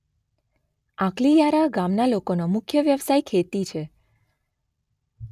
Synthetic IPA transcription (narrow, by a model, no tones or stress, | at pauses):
ãklijaɾaɡamnalokonomʊkʰjəʋjəʋsajkʰet̪it͡ʃʰe